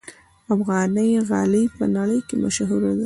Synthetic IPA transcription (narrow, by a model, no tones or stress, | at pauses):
afɣɑnəjɣɑ̰ləjpənaɽəjkemaʃɦuɾad̪a